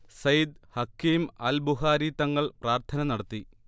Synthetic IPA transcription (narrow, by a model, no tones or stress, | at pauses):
sɐjd̪̚hɐkːiːmaːlbuɦaːɾit̪ɐŋːɐɭpraːrt̪ʰɐnɐnɐɽɐt̪ːi